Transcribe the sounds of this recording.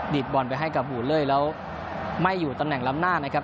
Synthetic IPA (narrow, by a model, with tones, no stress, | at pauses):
di˨˩t̪̚bɔ˨˩npa˧jɦa˥˩jka˨˩p̚buː˨˩lɤː˥˩jlɛː˦˥w | ma˥˩jːuː˨˩t̪a˧mnɛ˨˩ŋla˦˥m̚naː˥˩na˦˥kʰa˦˥p̚